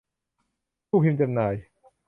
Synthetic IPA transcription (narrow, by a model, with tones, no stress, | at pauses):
uː˥˩pʰi˧mt͡ɕa˧˩mnaː˨˩j